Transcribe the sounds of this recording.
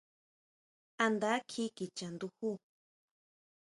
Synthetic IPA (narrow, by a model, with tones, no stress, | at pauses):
a˧nd̪a˦kʰi˦ki˨t͡ʃa˨nd̪u˧hu˦